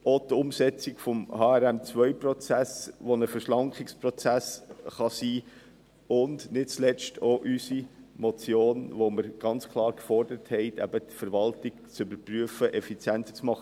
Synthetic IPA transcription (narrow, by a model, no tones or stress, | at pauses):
otʊmsɛt͡sɪkfɔmhɑːæɾæmt͡sʋœʏpɾɔt͡sæsʋonəfəɾʃlɑŋkχɪksprɔt͡sæsχɑsiː | ʊndnɪt̚t͡slɛstʰoʔysimot͡sjoːnʋoməɾɡ̥ɑnt͡skʰlˠɑːɾkfɔrd̥əɾəthɛɪtʰæ̰bətfəɾʋɑltɪkt͡sʏbəɾpɾyəfəʔɛfit͡sjæntt͡smɑχə